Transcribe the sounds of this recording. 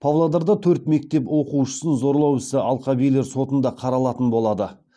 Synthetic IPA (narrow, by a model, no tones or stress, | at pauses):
pʰɑvlˠɑd̪ɑɾd̪ɑt̪ʰɵɾt̪me̞k̚t̪e̞pwo̞quʃə̥sənzo̞ɾlˠɑwɪsɪʔɑlˠqɑbijlːe̞ɾso̞t̪ənd̪ɑqʰɑɾɑlˠɑt̪ənbo̞lˠɑd̪ə